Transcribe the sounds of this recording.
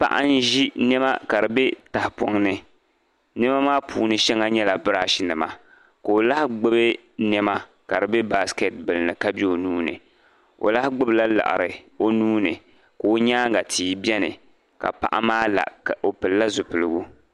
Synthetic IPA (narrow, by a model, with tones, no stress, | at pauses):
pa̰˦ʔa̰˦n˦ʒi˦nɛ˦ma˦ka˨ɾɨ˨bɛ˦ta˨hpɔ˨˦ŋnɨ˨ | nɛ˦ma˦maː˦pʰuː˨˦nɨ˦ʃɛ˦ŋa˦ɲɛ˦la˨bɨ˦ɾa˦˨ʃi˦nɨ˨ma˦ | ka˨o˨la˦hɡ͡bɨ˦bɨ˦ | nɛ˦ma˦ | ka˨ɾɨ˨bɛ˦ba˦ske˨t̚bɨ˨lnɨ˨ka˦bɛ˦o˨nuː˦nɨ̰˨ | o̰˨la˦hɡ͡bɨ˦bla˦la̰˨ʔa̰˨ɾɨ˨o˦nuː˦nɨ˨ | ka˨o˦ɲaː˦ŋɡa˨tʰiː˦bʲɛ˦nɨ̰˨ | ka̰˨pa̰˦ʔa̰˦maː˦la̰˨o˨pɨ˨lla˦zʊ˨pɨ˨lɨ˦ɡu˦